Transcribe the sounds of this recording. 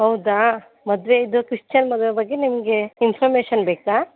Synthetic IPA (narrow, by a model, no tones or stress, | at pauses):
ɦɐwd̪aː | mɔd̪ʋeid̪ukɾiʂt͡ʃɐnmɔd̪ʋebɐɡːenimɐɡeinpʰɐɾmeːʃɐnbeːkaː